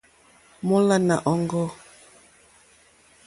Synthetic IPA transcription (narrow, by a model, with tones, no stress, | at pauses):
mɔ˦la˦na˨ʔɔ˦˨ŋɡɔ˦˨